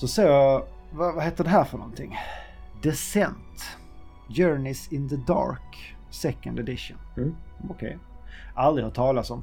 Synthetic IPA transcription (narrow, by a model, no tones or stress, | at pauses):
sɔseːj | vavaheːt̪əɖɛɦæːɾfœɳɔ̰nt̪ʰɪŋː | d̪ɛsɛnt̪ | d͡ʒœːɹɳɪsɪnðəd̪ɑ̰ɾksɛkːənd̪ɛd̪ɪʂə̰nɔkʰɛ̰jʔald̪ɾɪhaʈʰɑːlat̪sɔm